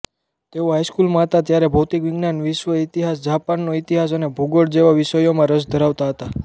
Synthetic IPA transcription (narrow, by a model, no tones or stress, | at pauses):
t̪eoɦajskulmãɦət̪at̪jaɾebʱəwt̪ikʋiɡnanʋiʃʋəit̪iɦasd͡ʒapanːoit̪iɦas̬ənebʱuɡoɽd͡ʒeʋaʋisəjomãɾəsd̪ʱəɾaʋt̪aɦət̪a